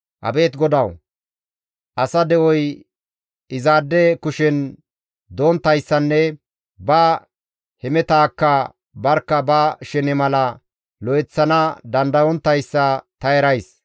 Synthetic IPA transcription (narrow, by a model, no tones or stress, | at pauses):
ʔɐ̰be̞ːt̪ɡɔd̪ɐw | ʔɐsɐd̪ɛʔɔj | ɪzaːd̪ːɛkʊʃɛn | d̪oːnt̪ːɐjsːɐnːɛ | bɐ | hɛmɛt̪aːkːɐ | bɐɾkːɐbɐʃɛnɪmɐlɐ | lɔɛt͡sːɐnɐd̪ɐnd̪ɐwɔnt̪ːɐjsːɐt̪ɐjɛɾɐjs